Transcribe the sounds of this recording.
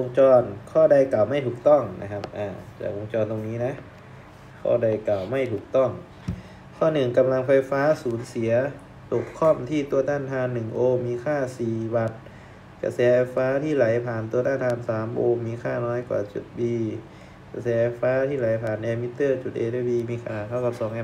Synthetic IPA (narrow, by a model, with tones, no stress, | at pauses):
ʔo˧ŋt͡ɕɔː˧nkʰɔː˥˩da˧˩jka˨˩wma˥˩jt̪ʰuː˨˩k̚t̪ɔ˥˩ŋna̰˦˧˥kʰa˦˥p̚ʔaː˧˩t͡ɕa̰ː˨˩k̚ʔo˧ŋt͡ɕɔː˧nt̪o˧ŋniː˦˥na˦˥ʔ | kʰɔ̰ː˥˩da˧˩jka˨˩wma˥˩jt̪ʰuː˨˩k̚t̪ɔ˥˩ŋ | kʰɔː˥˩nɯ˨˩ŋka˧mla˧ŋfa˧jfaː˦˥suː˨˩˦nsi˩˦ɐ | t̪o˨˩p̚kʰɔ˥˩mt̪ʰiː˧˥˩t̪u˧ɐt̪ʰaː˥˩nt̪ʰaː˧nːɯ˨˩ŋʔoː˧miː˧kʰaː˥˩siː˨˩wa˨˧˩t̪̚ | ka̰˧˩sɛː˨˦fa˧jfaː˦˥t̪ʰiː˥˩la˨˩˦jpʰaː˨˩nt̪u˧ɐt̪ʰaː˥˩nt̪aː˧˩nsaː˩˦mʔoː˧miː˧kʰaː˥˩nɔː˦˥jkwa̰ː˨˩t͡ɕṵ˨˩t̪̚biː˧ | ka˧˩sɛː˨˦˥fa˧jfaː˦˥t̪ʰiː˥˩la˨˦jpʰaː˨˩nʔɛː˧mi˦˥t̪ːɤː˥˩t͡ɕu˨˩t̪̚ʔḛː˧t̪aː˧˩biː˧miː˧kʰaː˧˩kʰa˦˥˩wka˧˩sɔː˨˦ŋʔɛː˧